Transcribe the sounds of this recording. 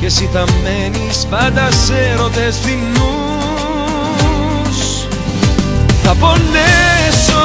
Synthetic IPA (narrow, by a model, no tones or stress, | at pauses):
cesit̪ɐmːenispɐd̪ɐseɾoðesθinu | s | θɐpolːeso